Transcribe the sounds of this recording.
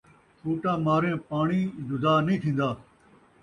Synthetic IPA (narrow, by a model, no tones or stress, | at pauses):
t͡ʃʰuːʈaːmaːɾẽːpaːɳiːd͡ʒʊd̪aːnĩːt̪ʰĩːnd̪aː